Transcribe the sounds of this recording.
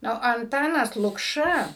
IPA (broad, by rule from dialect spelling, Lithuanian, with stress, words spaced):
ˈnʊ ɐnˈtɑːnɐs lˠʊkˈʃɐ